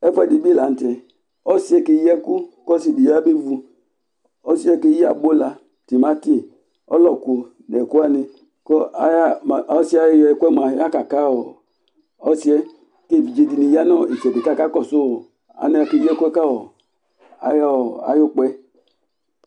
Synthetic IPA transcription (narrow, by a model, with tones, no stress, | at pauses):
ɛ˦fɔ˦ɛ˦˨di˨˦bi˦˨la˨n̩˦tɛ˨ | ɔ˦si˨˦ɛ˦ke˧jɛ˦ku˦kɔ˦si˧˨di˨ja˦be˦vu˧ | ɔ˦si˦ɛ˦ke˧˦ji˦a̰˨ɡ͡bo˦la˧ | ti˨ma˦ti˦ | ɔ̰˦lɔ˨ku˨ | nɛ˨ku˦a˦ni˧ | kɔ˦˨˦ja˦˨˦si˦a˨˦jjɛ˧˦kʷɛ˦m˨a˨˦a˦ka˨ka˦wɔ˨ | ɔ˦si˦ɛ˦ | ke˦˨vi˨d͡ʒe˧di˧ni˧˨ja˦nɔ˦˨i˨t͡ʃɛ˨be˨ta˦˨ka˦kɔ˦˨so˦˨ | a̰˨ni˧˦a˧˨ke˧jɛ˦ku˦ɛ˦ka˦wɔ˨ | a̰˨jɔ˦˨a̰˨jo˦k͡pɛ˦